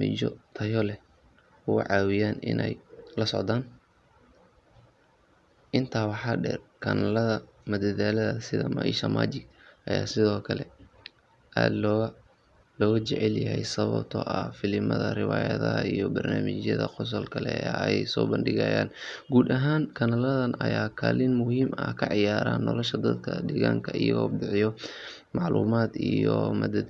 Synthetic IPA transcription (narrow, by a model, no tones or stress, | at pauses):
mɪt͡ʃɔt̪ʰɐjɔlɛ | ʊɣʊʕɑːwɪjaːnɪ̰nʔɛjlɐsɔʕd̪aːn | ʔɪnt̪ʰaːwɑħɑːɖɛːrkʰɐnlɐðɐ | mɐd̪ɐðaːlɐðɐsɪðɐmɐʔiʃɐmʔa̰ːd͡ʒɪɡʔɐjaːsɪðɔːkʰɐlɛ | ʔaːd̪ | lɔːɣɐt͡ʃɛʕɛljɐɦɛjsɐβɐbt̪ʰɔːʔɐfɪlɪmɐðɐrɪwaːjɐðɐɦɐijɔbɐrnaːmɪt͡ʃjɐðɐqɔs̬ɐlkʰɐlɛɐjjsɔːbɐnɖɪɣɐjaːnɡuːd̪ɐɦaːŋkʰɐnɐlɐðɐnʔɐjaːkʰaːlɪnmʊhiːmɐkʰɐʕɪjaːɾaːnːɔlɔʃɐd̪ɐd̪kʰɐd̪ɛːɣaːŋkʰɐijɐɣɔːɖɪʕɪjɔ | mɑʕluːmaːd̪ijɔmɐd̪